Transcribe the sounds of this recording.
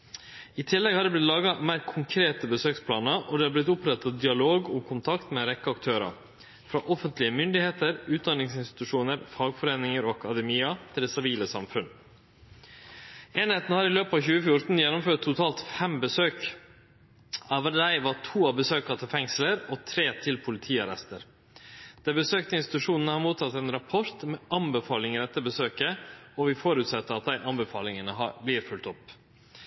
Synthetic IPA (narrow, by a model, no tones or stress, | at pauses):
ɪt̪ʰɪlːɛɡhɑɖ̪ɛb̪ɪt̪lɑːɡɑmæɪɾkʰʊŋkʰɾeːt̪əbəsøːkspʰlɑːnəɾʔɔd̪ɛːɑɾblɪt̪ʊpɾɛt̪ːɑd̪ɪɑloːɡʊkʰʊnt̪ʰɑkt̪mɛɾɛkːəɑkt̪ʰøːɾɑ̰ | fɾɑːʔɔfənt̪lɪəmʏnd̪ɪheːt̪əɾʉːt̪̚d̪ɑnɪŋsɪnst̪ɪ̥t̪ʉʂuːnəɾfɑːɡfɔɾeːnɪŋəɾoːɑkɑd̪ɛmiːɑt̪ʰɪld̪ɛsɪʋiːləsɑ̰mfʉn | eːnheːt̪nəhɑɾɪløːpɑːçʉːəfjʊʈ̪n̩jɛnːɔmføːʈt̪ʰːʊt̪ʰɑːlt̪fɛmbəsøːk | ɑʋəd̪æɪʋɑʈʰuːɑbəsøːkɑt̪ʰɪlfɛŋsləɾɔt̪ʰɾeːt̪ʰɪlpʰʊlɪt̪ʰiːɑɾɛ̰st̪əɾ | d̪̥æɾbəsøːk̚t̪əɪnst̪ɪ̥t̪ʉʂuːnənəhɑɾmuːt̪ʰɑt̪ːɛnɾɑpʰɔɾt̪mɛʔɑnbəfɑːlɪŋəɾɛt̪ːəɾbəsøːkəɔʋɪfɔɾʉt̪sɑt̪ːəɾɑt̪̚d̪æɪʔɑnbəfɑːlɪŋənəɦɑbliːɾfʉlt̪ɔpː